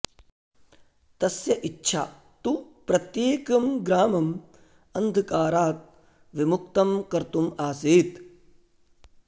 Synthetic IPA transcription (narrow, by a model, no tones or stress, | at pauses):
t̪ɐsjɐʔitːʃʰa̰ː | t̪upɾɐt̪jeːkɐmɡɾaːmɐm | ɐnd̪ʱɐkaːɾaːt̪̚ | ʋimuk̚t̪ɐmkɐɾt̪umaːsiːt̪